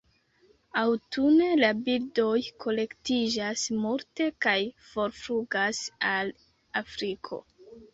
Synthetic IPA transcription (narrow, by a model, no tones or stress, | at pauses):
awtune̞labildo̞jkʰo̞le̞ktid͡ʒasmuɾte̞kajfo̞ɾfɾuɡasal | afɾikʰo̞̰